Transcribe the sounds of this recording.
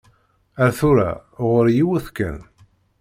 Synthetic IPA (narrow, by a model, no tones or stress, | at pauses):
æɾθuɾa̰ʁəɾjiwuθkːə̰n